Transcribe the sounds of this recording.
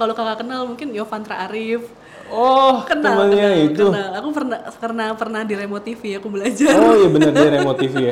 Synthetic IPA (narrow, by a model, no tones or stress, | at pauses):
kalokakakənalmuŋkɪnjofant̪ɾaʔaɾɪf | ɔhkənt̪əmənɲait̪kəunalakupərnakərnapərnahdiɾemot̪ifiakubəlad͡ʒarɔjabənərdiaɾemot̪ifija